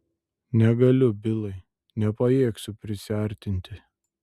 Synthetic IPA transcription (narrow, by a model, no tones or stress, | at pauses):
nʲɛɡɐlʲʊbʲɪlˠɐɪ | nʲɛpɐjeːksʲʊpʲɾʲɪsʲɪɐˑɾʲt̪ʲɪnʲt̪ʲɪ